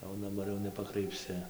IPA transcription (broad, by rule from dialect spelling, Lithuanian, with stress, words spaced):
jɛʊ dɐˈbɐr jɛʊ nʲɛpɐkrɐɪpʲˈsʲɪ